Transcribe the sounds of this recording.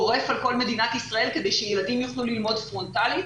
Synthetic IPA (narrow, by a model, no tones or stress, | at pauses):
oʁe̞falko̞lme̞d̪inat̪isʁɐe̞lke̞d̪e̞jʃejelad̪imjuχlulilmo̞d̪fʁo̞nt̪ali